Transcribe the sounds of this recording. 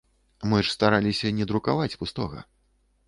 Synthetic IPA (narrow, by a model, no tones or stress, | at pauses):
mɨʂst̪aɾalʲisʲɐnʲɛd̪ɾukavat͡sʲpust̪ɔɣɐ̰